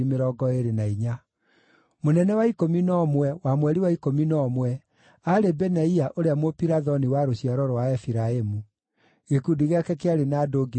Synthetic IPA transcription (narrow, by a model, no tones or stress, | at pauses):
imeɾɔɡɔeɾenaiɲa | monɛnɛwaikominɔmwɛwamwɛɾiwaikominɔmwɛ | aɾebɛnaiaʔoɾeamwopiɾaðɔniwaɾoɕiaɾɔɾɔwaɛfiɾaemu | ɣekudiɣeakɛkeaɾenaːdoɡi